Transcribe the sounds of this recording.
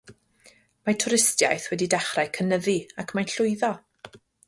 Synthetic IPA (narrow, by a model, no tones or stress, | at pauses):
matʰʊɾɪstjajθwɛdidɛχrajkʰənəðiakʰmanɬʊɨðɔ